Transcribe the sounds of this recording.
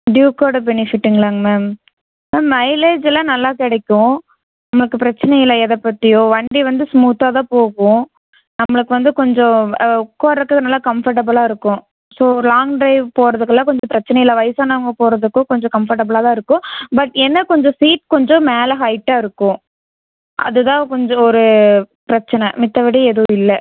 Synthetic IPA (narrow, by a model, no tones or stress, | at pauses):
ɖjuːkoːɽɐbɛnɪfɪʈːɪŋɡɐlaːŋmeːm | meːmːɐɪleːd͡ʒɪlɐnɐlːaːkɪɽɐkʲːʊ̃ | nɐmːɐɭɯkːɯpɪɾɐt͡ʃːɪnɛjɪlɐɛðɐpːɐt̪ːɪjõʋɐɳɖiʋɐnd̪ɯsmuːt̪aːðãːpoːɣʊ̃ | nɐmːɐɭɯkːɯʋɐnd̪ɯkɔɲd͡ʒɔ̃kːoːɾɐkːɯkːnɐlːaːkɐmfɐɾʈ̬ɐbɐlaːɪɾɯkːʊ̃ | soːɔɾlaːŋɡɖɾɐɪpoːɾɐðɯkːɯlːãːkɔɲd͡ʒɔ̃pɪɾɐt͡ʃːɐnɐjɪlːɐʋɐɪsaːnɐɐŋɡɐpoːɾɐðɯkːʊ̃kɔɲd͡ʒɔ̃kɐmfɐɾʈɐbɐlaːt̪ãːɪɾɯkːʊ̃bɐʈːɛnːɐkɔɲd͡ʒɔ̃siːʈ̚kɔɲd͡ʒɔ̃meːlɐɦɐɪʈːaːɪɾɯkːʊ̃ | ʔɐ̰ðɯt̪ãːkɔɲd͡ʒɔ̃ɔɾɯpɪɾɐt͡ʃːɐnɐmɪt̪ːɐʋɪɽɐɛðɯʋʊ̃ɪlːɐ